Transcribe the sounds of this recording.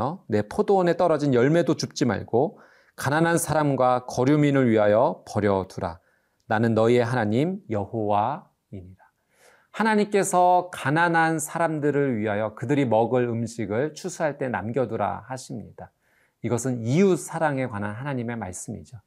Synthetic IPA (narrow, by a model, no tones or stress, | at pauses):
ʌne̞pʰodoʌne̞t͈ʌɾʌd͡ʑinjʌɭme̞dot͡ɕup̚t͡ɕ͈ima̰ɭɡ̥o | kananɦansʰaɾamɡwakʌɾjuminɯɭɥiɦajʌpʌɾjʌduɾa̰ | nanɯnːʌie̞ɦanaɲimjʌhowa | iɲiɾa | hanaɲimk͈e̞sʰʌkananɦansʰaɾamdɯɾɯɭɥiɦajʌkɯdɯɾimʌɡɯɭɯmɕʰiɡɯɭt͡ɕʰusʰuɦaɭt͈e̞na̰mɡjʌduɾa̰haɕʰimɲid̥a | iɡʌsʰɯniusʰaɾaŋe̞kwananɦanaɲime̞maɭs͈ɯmḭd͡ʑo